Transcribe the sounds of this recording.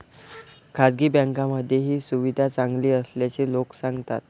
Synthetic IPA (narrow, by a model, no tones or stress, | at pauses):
kʰad͡zɡiːbɛ̃ŋkaməd̪ʱːjeɦiːsuʋid̪ʱat͡saŋɡliːəsljat͡seloksãŋɡt̪a̰t̪̚